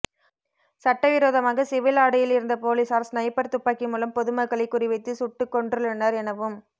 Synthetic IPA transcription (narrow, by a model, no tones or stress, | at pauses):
sɐʈːɐʋɪɾoːðɐmaːɣɐsɪʋɪlaːɽɐjɪlɪɾɯnd̪ɐpoːliːsaːɾsnɐjɐpːɐɾt̪ʊpːaːkɪmuːlɐmpɔðɯmɐkːɐɭɐɪkːʊrɪʋɐɪt̪ːɯsʊʈːɯkːɔɳɖrɯɭɛnːaːɾɛnɐʋɯm